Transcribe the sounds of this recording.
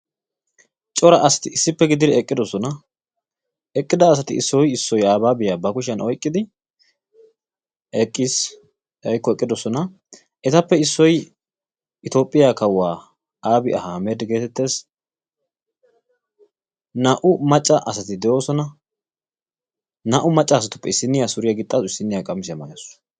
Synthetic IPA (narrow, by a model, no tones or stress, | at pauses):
t͡ʃʼɔɾɐʔɐsɐ̥t̪ɪɪsːɪpːɛɡɪd̪ɪd̪ɪɛkʼːɪd̪ɔsɔnɐ | ɛkʼːɪd̪ɐːs̬ɐt̪ɪ̰ɪsːɔjɪsːɔjaːbaːbɪjaːbɐkʊʃɐnʔɔjkʼːɪd̪ɪ | ɛkʼːis | ɐjkːɔɛkʼːɪd̪ɔsɔnɐ | ʔɛt̪ɐpːɛɪsːɔj | ɪt̪o̞ːpʼːɪjakɐwːaː | aːbɪʔɐhamɛd̪ɡe̞ːt̪ɛt̪ːe̞ːs | nɐʔʊmɐt͡ʃʼːɐʔɐsɐt̪ɪd̪ɛʔo̞ːsɔnɐ | nɐʔʊmɐt͡ʃʼːɐːsɐt̪ʊ̥pːɛɪsːɪnːɪjasʊɾɪjɐɡɪt̪ʼːaːzʊɪsːɪnːɪjakʼɐmɪsɪjɐmɐ̰jɐs